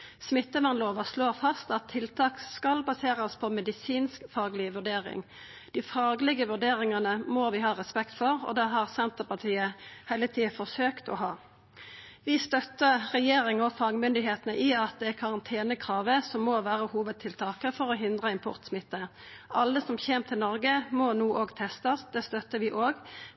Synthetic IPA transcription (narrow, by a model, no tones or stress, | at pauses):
smɪt̪ːəmɑnloːʋəsloːʁfɑst̪ɑt̪ʰːɪlt̪ʰɑːkskɑlbɑseːʁəspʰɔmɛd̪ɪsiːnskfɑːɡlɪʋʉʁɖeːʁɪ̰ŋ | d̪̥ɪfɑːɡlɪɡəʋʉɖ̪eːʁɪŋɑnəmoʋɪɦɑːʁɛspɛkt̪fɔʁɔ̰d̪ɛɦɑʁsɛnt̪əʁpɑt̪ʰiːəhɛɪlət̪ʰiːəfɔʁsøːkt̪ɔ̰ɦɑː | ʋɪst̪œt̪ːəʁɛjeːʁɪŋɔfɑːɡmʏnd̪ɪheːt̪ənəʔɪɑt̪̚d̪ɛækʰɑʁɑnt̪ʰeːnəkʰʁɑːʋəsɔmːoʋæːʁəhuːʋəd̪̚t̪ʰɪlt̪ʰɑːkəfɔʁɔɦɪnd̪ʁəɪmpʰʊ̰ʁt̪smɪt̪ːə | ʔɑlːəsɔmçeːmt̪ʰɪlnɔʁɡəmɔnuːʔoːɡt̪ʰɛst̪ɑsd̪ɛst̪œt̪ːəʋɪʔoːɡ